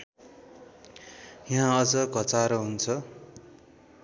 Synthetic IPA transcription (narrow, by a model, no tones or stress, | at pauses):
jãʌd͡zʌɡʱʌt͡saɾʌɦunt͡sʰʌ